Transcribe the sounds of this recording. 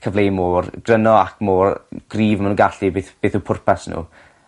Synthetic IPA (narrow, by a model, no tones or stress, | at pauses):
kʰəvlejmoːrɡ̥rənɔa̰kʰmoːrɡ̥riːvəmanuːɡaɬibeːθb̥eːθuːpʰʊrpʰɛsnṵː